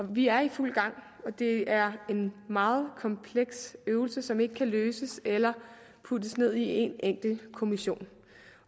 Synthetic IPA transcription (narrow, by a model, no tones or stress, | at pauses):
ɒ̽ʋiæɐiful̰ɡ̥ɑ̈ŋ̰ | ɒ̽d̥e̝æɐe̝nmɑ̈ːð̞̩ˠkʰɒ̽mpʰleɡ̥søːʊl̩səsɒ̽me̝ɡ̥əkʰæløːsəselɐ | pʰud̥əsne̝ð̰ˠie̝neŋ̰ɡ̥l̩kʰo̝miɕo̝̰ːn